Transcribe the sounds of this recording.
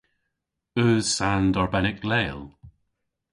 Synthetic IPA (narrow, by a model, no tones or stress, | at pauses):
ɵ̥ːsandɔɹbɛnɪkleːlˠ